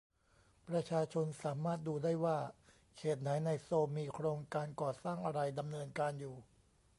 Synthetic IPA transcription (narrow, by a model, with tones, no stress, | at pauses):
pɾa˧t͡ɕʰaː˧t͡ɕʰo˧nsaː˩˦maː˥˩t̪̚duː˧daː˥˩jwaː˥˩ | kʰeː˨˩t̪̚na˩˦jna˧jsoː˧mːiː˧kʰɾoː˧ŋkaː˧nkɔː˨˩saː˥˩ŋʔa˧ɾa˧jda˧mnɤː˧nkaː˧njuː˨˩